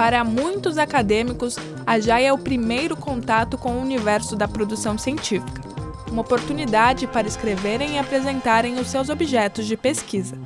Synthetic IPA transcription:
paɾɐmũj̃t̪ʊzakad̪ẽmikʊs | aʒajɛʊpɾimejɾʊkõnt̪at̪ʊkõʊunivɛɾsʊd̪ɐpɾod̪usɐ̃w̃siẽnt͡ʃifi̥kɐ̥ | ũmɐopoɾt̪unid̪ad͡ʒɪpaɾɐɪskɾeveɾẽj̃ɪapɾezẽnt̪aɾẽj̃ʊsːewzobiʒɛt̪ʊzd͡ʒɪpeskizɐ

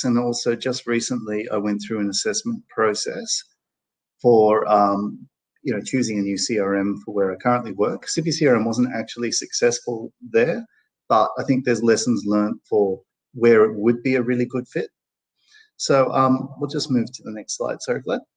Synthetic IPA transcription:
ɨ̃nɔlˠsoʊd͡ʒʌst̚ɹisə̃nlia̰ɪwɛ̃nθɹʉɨ̃nɨsɛsmə̃n̩pʰɹ̥oʊsɛ̰s | fə˞ʌ̃m | jɨnoʊt͡ʃʰʉzɪ̃ŋɨnjʉsiɑɹɛ̃ɱfə˞wə˞ɨt̚kʰɜ˞ə̃nʔliwɜ˞ksipisiɑɹɛ̃mwʌzn̩tæ̰k̚t͡ʃul̩ˠisɨksɛsfəl̩ˠðə˞ | b̥ʌɾaɪθɪ̃ŋk̚ðə˞zlɛsn̩zlɜ̃˞ntfə˞ | wə˞ɪt̚wəd̚biɨɹɪlˠiɡʊd̥fɪt̚ | soʊʔʌ̃mwilˠd͡ʒʌsmʉv̥tʰɨðənɛkstsla̰ɪd̥sɑɹiɡlɛd̚

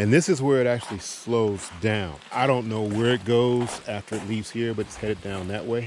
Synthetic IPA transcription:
ɨ̃nðɪsɨzwə˞ɨɾæk̚t͡ʃʉl̩ˠisloʊzdãʊ̃naɪɾõʊ̃nːoʊwə˞ɨt̚ɡ̥oʊz̥æftə˞ɨtˡlivz̥hiɹbʌɾɨtshɛɾɨt̚d̥ãʊ̃nðɨʔweɪ

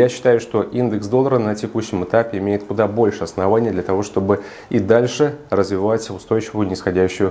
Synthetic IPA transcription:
jaɕːɪ̥t̪ajʊʂt̪o̞ʔind̪ɨksd̪oəɾənətʲɪkuɕːɪmɨt̪apʲɪɪmʲejɪt̪kʊd̪abo̞lʲʂɨɐsnɐvanʲɪjəd̪lʲɐt̪ɐvo̞ʂt̪o̞bɨ | id̪alʲʂɨrəzvʲɪvatʲʊst̪o̞jt͡ɕɪvʊjʊnʲɪsxɐdʲæɕːʊjʊ

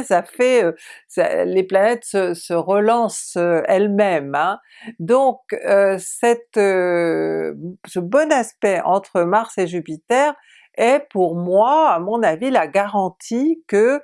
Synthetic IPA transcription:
safɛøsa̰leplanɛt̪səsəʁəlɑ̃søɛlmɛmɛ̃ | d̪ɔ̃køsɛt̪ø | səbɔnaspɛɑ̰̃t̪χəmaʁseʒypit̪ɛʁ | ɛpuʁmwaamɔ̃navilaɡaʁɑ̃t̪ʰikə

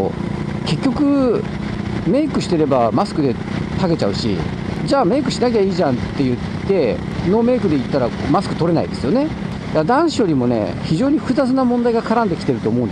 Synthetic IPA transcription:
ke̞kʲːo̞kɯ̟ | me̞ikɯ̟ɕi̥t̪e̞ɾe̞bamasɨ̥kɯ̟d̪e̞ | t̪aɡe̞t͡ɕaɯ̟ɕḭ | d͡ʑaːme̞ːkɯ̟ɕinak̬ʲaiːʑãnt̪ːe̞jɯ̟t̪ːe̞ | no̞me̞ːkɯ̟d̪e̞it̪ːaɾamasɨ̥kɯ̟t̪o̞ɾe̞na̰id̪e̞sɨjo̞ne̞ | d̪̥ad̪ãɰ̃ɕijo̞ɾʲimo̞ne̞̰çiʑo̞ːɲ̟iɸɯzat͡sɨnamõ̞nd̪aiɡakaɾãnd̪e̞kʲi̥t̪e̞ɾɯ̟t̪o̞ːmo̞ɯ̃nd̪

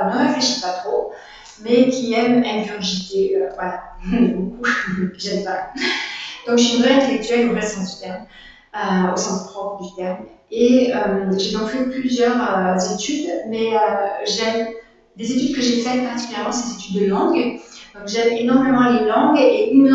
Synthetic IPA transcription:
nəʁefleʃi̥pat̪χo | mɛkʲʰiɛmɛnvyʁʒit̪eøvwalãebokukəʒɛmpa | d̪̥ɔ̃kʒəinvʁɛɛ̃t̪elɛk̚t̪ɥɛlynʁɛsɑ̃sd̪yt̪ɛʁm | øosɑ̃spχɔpχəd̪yt̪ɛʁmeømʒed̪ɔ̃kfɛplyzjœʁøzet̪yd̪mɛøʒəɛm | d̪ezet̪yd̪kəʒefɛt̪̚paχt̪ikyljɛʁmɑ̃sɛzet̪yd̪ːəlɑ̃ɡd̪ɔ̃kʒɛmenɔʁmemɑ̃lelɑ̃ɡeʔynl

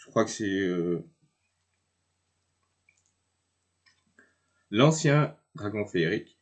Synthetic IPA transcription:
ʒəkχwakəsɛø | lɑ̃sjɛ̃ | d̪ʁaɡɔ̃feːʁik

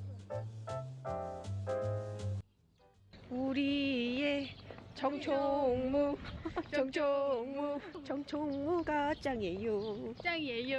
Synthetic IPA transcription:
uɾiet͡ɕʌŋt͡ɕʰoŋmu | ʌŋt͡ɕʰoŋmut͡ɕʌŋt͡ɕʰoŋmuɡat͡ɕ͈aŋjejo

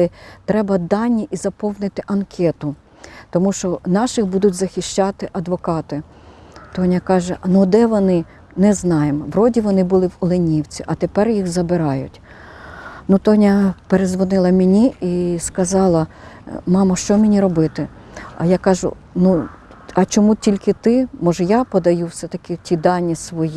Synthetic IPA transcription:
ɪt̪ɾɛbɐd̪ɑnʲːiʔizɐpɔwnɪt̪ɪʔɐnkʲʰɛt̪ʊ | t̪ɔmuʃt͡ʃɔnɑʃɪxbud̪ʊtʲzɐxʲɪʃʲt͡ʃɑt̪ɪʔɐd̪ʋɔkɑt̪ɪ | t̪ɔnʲɐkɑʒɛʔɐnud̪ɛʋɔnɪ | nɛznɑjemɔʋɾɔdʲiʋɔnɪbʊlˠɪwɔlˠɪnʲiwt͡sʲiʔɐt̪epɛrjixzɐbɪɾɑjʊ̰tʲ | nut̪ɔnʲɐpeɾezʋɔnɪlˠɐmʲenʲiiskɐzɑlˠɐmɑmɐʃt͡ʃɔmʲenʲiɾɔbɪt̪ɪ | ɐ̰jakɑʒʊ̰ | nu | ɐt͡ʃɔmutʲilʲkɪt̪ɪmɔʒɛjapɔd̪ɐjuwsɛt̪ɐkɪtʲid̪ɑnʲːisʋɔji

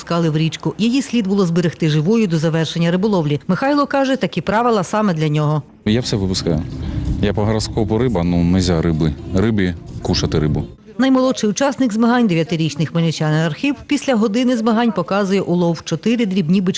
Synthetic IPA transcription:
skɑlˠɪwɾʲit͡ʃkʊjɐjisʲlʲid̪̚bʊlˠɔzbeɾɪxt̪ɪʒɪʋʊjʊd̪ɔzɐʋɛrʃenʲːɐɾɪbʊlˠɔwlʲimɪxɑjlˠɔkɑʒɛt̪ɐkʲipɾɑʋɪlˠɐsɑmɛd̪lʲɐnʲɔɦɔ | jawsɛʋɪpʊskɑjʊjapɔɦɐɾɐskɔpɔɾɪbɐnunɛzʲaɾɪbɪrɪbʲikuʃɐt̪ɪɾɪbʊ | nɐjmɔlˠɔʃɪjʊt͡ʃɑsnɪkzmeɦɑnʲd̪eʋʲjɐt̪ɪɾʲit͡ʃnɪxmelʲɪt͡ʃʲanɪɐrxʲiwpʲisʲlʲɐɦɔd̪ɪnɪzmɐɦɑnʲpɔkɑzʊjɛʔʊlˠɔwt͡ʃɔt̪ɪɾɪd̪ɾʲibnʲibɪt͡ʃ

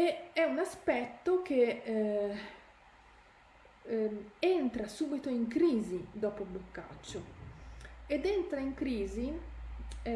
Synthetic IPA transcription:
eɛunaspɛt̪ːok̟e | ent̪ɾasuːbit̪oiŋkɾiːzid̪ɔːpoblokːa̰t͡ʃːo | ed̪ent̪ɾaiŋkɾiːzi

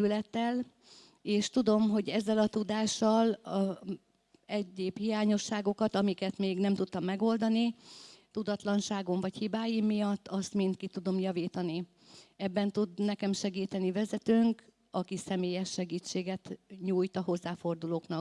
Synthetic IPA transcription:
ylɛt̪ːɛl | eːʃt̪ud̪o̞mɦo̞ɟɛzːɛlɒt̪ud̪aːʃːɒl | ɛɟːeːphijaːɲo̞ʃːaːɡo̞kɒt̪ɒmikɛt̪meːɡnɛmt̪ut̪ːɒmːɛɡo̞ld̪ɒnit̪ud̪ɒt̪lɒnʃaːɡo̞ɱvɒchibaːjimːijɒt̪ːɒst̪mint̪kit̪ud̪o̞mjɒviːt̪ɒni | ɛbːɛnt̪ud̪nɛkɛmʃɛɡiːt̪ɛnivɛzɛt̪øːŋk | ɒkisɛmeːjɛʃːɛɡiːt͡ʃːeːɡɛt̪ɲuːjt̪ɒɦo̞zːaːfo̞rd̪uloːknɒk

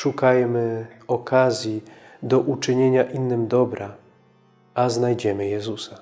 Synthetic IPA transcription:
ʂukajmɘɔkʰazʲjid̪ɔʔut͡ʂɘɲeɲaʔinːɘmd̪ɔbɾʔa | aznajd͡ʑɛmɘjɛzusa

